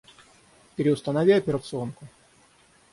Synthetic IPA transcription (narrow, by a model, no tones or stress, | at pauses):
pʲɪɾʲɪʊst̪ənɐvʲiɐpʲɪɾət̪sɨo̞nkʊ